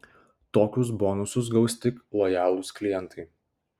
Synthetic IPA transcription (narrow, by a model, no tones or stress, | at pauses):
t̪oːkʲʊsbɔːnʊsʊs̬ɡɒʊsʲt̪ʲɪklˠɔjɑːlˠʊsklʲɪjɛnt̪ɐɪ